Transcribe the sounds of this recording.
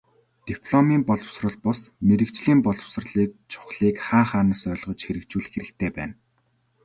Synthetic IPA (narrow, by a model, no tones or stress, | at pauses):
t̪ipʰɮɔmiːmpɔɮɞ̆w̥srɞ̆ɮpɔsmeɾɘ̆kt͡ɕɮiːmpɔɮɞ̆ws̆rɮiːk̚t͡ɕʰʊ̥χɮiːkχaːχaːnə̆sœːɮʁɞ̆t͡ɕxeɾɘ̆k̚t͡ɕuːɮɘ̆xeɾɘ̆kt̪ʰeːpæ̰ːn